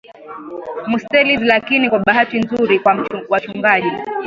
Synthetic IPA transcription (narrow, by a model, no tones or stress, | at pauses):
mustɛlizlakinikwaɓaɦatinzuɾikwawat͡ʃuŋɡaʄi